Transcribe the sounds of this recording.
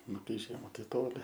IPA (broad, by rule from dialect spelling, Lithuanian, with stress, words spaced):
ˈnʊ kɐɪ ˈʒʲiɛmɐ tɐɪ ˈtoːlʲɪ